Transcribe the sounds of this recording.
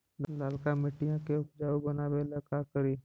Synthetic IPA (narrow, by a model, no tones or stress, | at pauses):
llalkamɪʈːijãkeʊkd͡ʒaːubənaːbeləkakəɾiː